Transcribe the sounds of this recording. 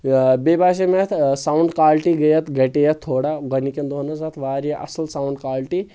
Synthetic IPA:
bebaːʃ̬emet̪ʰsawɳɖkaːlʈiɡɐjɐt̪ɡɐʈejɐt̪ʰːoːɽaɡɐnikend̪onɐzat̪ʰʋaːɾeʔɐ̰sɐlsauɳɖkaːlʈi

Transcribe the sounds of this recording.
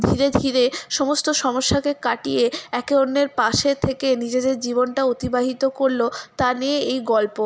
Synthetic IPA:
d̪ʱiɾed̪ʱiɾeʃɔmost̪oʃɔmoʃːakekaʈijeɛkeonːeɾpaʃet̪ʰekenid͡ʑed̪eɾd͡ʑibonʈaot̪ibaɦit̪okoɾlot̪aneeejɡɔlpo

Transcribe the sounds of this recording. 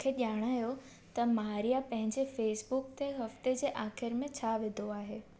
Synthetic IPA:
kʰeʄaːɽ̃aːjo | t̪ɐmɐɦaːɾijapɐ̃ɦɪ̃ɲd͡ʑefeːsbukt̪ʰeɦɐft̪ed͡ʑeːʔaːxɪɾmẽt͡ɕʰaʋed̪ʱoaːɦeː

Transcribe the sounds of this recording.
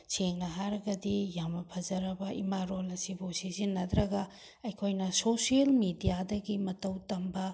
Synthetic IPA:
sʰeŋnɐɦaɾɐɡɐdijamɐpʰɐzɐɾɐbɐʔimaɾolɐsibusizinːɐd̪ɾɐɡɐ | ɐjkʰojnɐsosiɐlmidijadɐɡimɐtɐwtɐmbɐ

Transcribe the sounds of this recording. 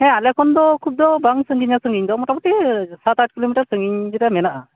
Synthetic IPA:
hɛ̃alɛkʰɔnd̪ɔkʰub̚d̪ɔbaŋsəŋɡiɲasəŋɡiɲd̪ɔmɔʈapɔʈisat̪aʈ̚kilomiʈaɾsəŋɡiɲd͡ʒɛɾɛmɛnaʔa

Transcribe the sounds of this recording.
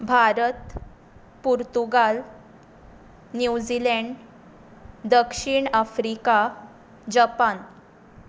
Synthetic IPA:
bʱaɾət̪ | puɾt̪uɡal | njud͡ʑileɳɖ | d̪əkʂiːɳafɾika | d͡ʑəpan

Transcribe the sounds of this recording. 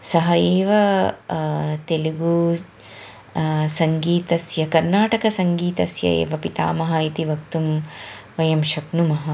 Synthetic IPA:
sɐɦɐjeːʋɐ | t̪eliɡu | sɐŋɡiːt̪ɐsjɐkɐɾnaːʈɐkɐsɐŋɡiːt̪ɐsjɐ̰ḛːʋɐpit̪a̰ːmɐɦɐit̪iʋɐkt̪umʋɐjɐmʃɐknumɐɦɐ

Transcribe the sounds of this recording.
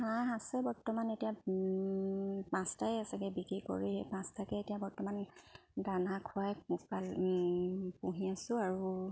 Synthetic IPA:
hãɦasɛbɔɹtɔmanetija | pãstajasaɡɛbikikɔ̰ɹiɦḛpãstʰakɛetijabɔɹtɔmandanakʰʊajupal | pũɦiasʊ̃aɹu

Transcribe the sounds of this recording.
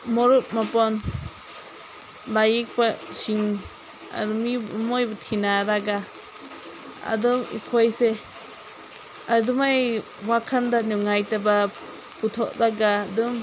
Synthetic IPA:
mɔɾup̚mapɔn | lajik̚pasiŋ | a̰dumimɔjbat̪ʰinaɾaɡa | a̰dɯmḭpʰɔjsɛ | adumaj | wakʰandanuŋajtaba | put̪ʰɔʔdaɡadɯm

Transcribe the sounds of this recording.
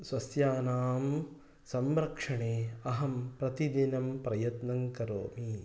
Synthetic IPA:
sʋɐsjaːnaːm | sɐmɾɐkʂɐɳeːɐɦɐmpɾɐt̪id̪inɐmpɾɐjɐt̪nɐŋkɐɾo̰ːmi

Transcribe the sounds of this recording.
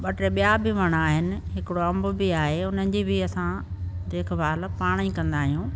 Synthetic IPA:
ɓɐʈɾeɓijabɪʋɐɽ̃aːɦɪnɪ̆ɦɪkɪɽoɐ̃mbʊ̆bɪaːɦeʊn̤ənɪ̆d͡ʑibɪɐsãd̪eːkʰbʱaːlpaːɽ̃ĩkɐ̃nd̪aːɦijũː

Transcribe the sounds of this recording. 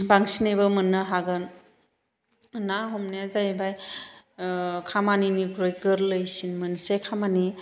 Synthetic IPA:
baŋsinebəmɯnːɯɦaɡɯn | naɦɔmnijazajbaj | kʰamaninikɾojkɯɾlɯjsinmɯnsekʰamani

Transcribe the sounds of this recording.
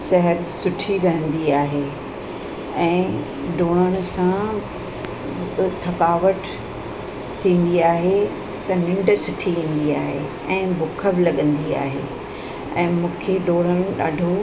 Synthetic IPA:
sɐɦəɾsʊʈʰiɾɐɦə̃nd̪iaːɦe | ɛ̃ː | ɗoːɽ̃əɽ̃ʊ̆sã | t̪ʰɐkaːʋəʈ | t̪ʰĩːn̆d̪iaːɦe | t̪ɐnɪ̃ɳɖ̆sʊʈʰiʋĩːn̆d̪iaːɦe | ɛ̃ːbʊkʰəbɪlɐɠə̃nd̪ia̰ːɦḛ | ɛ̃ːmũːkʰeɗoːɽ̃əɽ̃ɪ̆ɗa̰ːɖʱo

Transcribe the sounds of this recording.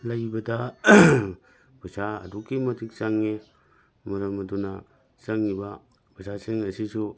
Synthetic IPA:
lajbɐda | bʱɯsaɐ̰duɡimɐtʰik̚t͡ʃaŋːi | mɐɾɐmɐduna̰ | t͡ʃaŋːiba | bɐsasiŋɐsisu

